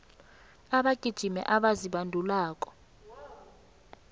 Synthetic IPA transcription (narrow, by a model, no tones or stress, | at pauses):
aɓaɡ̥ʱid̥ʒ̥ʱimɛ̰ʔaɓaziɓandʱulaːkʼɔ̥